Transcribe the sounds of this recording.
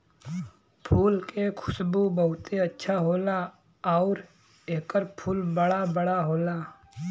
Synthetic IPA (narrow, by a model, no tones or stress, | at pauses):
pʰuːlkekʰʊsbubəɦʊt̪eətːʃʰaɦoːla | ɔʊɾ | eːkəɾpʰuːlbəɽabəɽaɦoːlaː